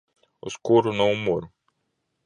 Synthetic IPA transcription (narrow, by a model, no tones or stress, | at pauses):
ʊskoɾʊznɐ̃w̃moɾɐ̃